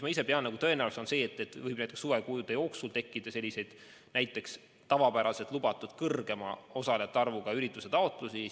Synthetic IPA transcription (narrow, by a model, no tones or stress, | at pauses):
mɑise̞peɑnːɑɡut̪ɤ̞e̞næwulset̪o̞nse̞ːt̪ːˑet̪ːvɤjb̥̚næjt̪ːˑeksuvekujud̪̥ejo̞ːksult̪e̞kːˑid̪̥ɑse̞lʲːise̞jd̪̥ | nʔæjt̪ːˑe̞ks | t̪ɑvɑpæɾɑse̞t̪lubɑt̪ːˑud̪̥kɤrɡ̥e̞mɑ̰o̞sɑleɑt̪ːˑɑrvuɡ̥ɑyɾit̪ːˑuse̞t̪ɑot̪ːˑlusi